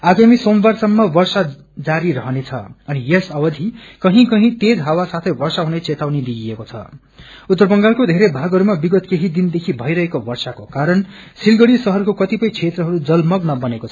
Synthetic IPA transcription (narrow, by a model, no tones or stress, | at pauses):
aɡamisombarsʌmːʌbʌrsa | d͡zaɾiɾʌɦʌnet͡sʰʌ̰ʌnijesʌwʌd̪ʱikʌɦĩkʌɦĩt̪ed͡zɦawasat̪ʰʌjbʌrsaɦunet͡set̪awned̪iiekot͡sʰʌ̰ | ut̪ːʌrbʌŋɡalkod̪ʱeɾebʱaɡɦʌɾumabiɡʌt̪keɦid̪ind̪ekʰibʱʌjɾʌɦekobʌrsakokaɾʌn | silɡʌɽisʌɦʌrkokʌt̪ipʌjt͡sʰet̪rʌɦʌɾud͡zʌlmʌɡnʌbʌnekot͡sʰʌ̥